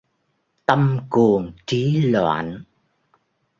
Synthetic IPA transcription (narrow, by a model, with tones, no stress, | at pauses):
t̪ə˧mku˨˩əŋt͡ɕi˨˦lwa̰ː˧˨n